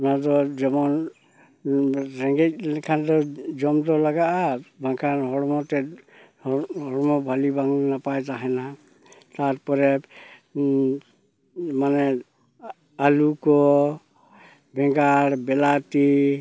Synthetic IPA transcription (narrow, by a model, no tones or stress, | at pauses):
nad̪ɔd͡ʒɔmɔn | ɾɛŋɡɛc̚ˀkʰand̪ɔd͡ʒɔmd̪ɔlaɡaʔabʱãŋkʰanɦɔɽmɔt̪ɛ | ɦɔɽɔmɔbʱalibaŋnapajt̪aɦɛna | t̪aɾpɔɾɛ | manɛ | alukɔ | bʱɛŋɡaɽbɛlat̪i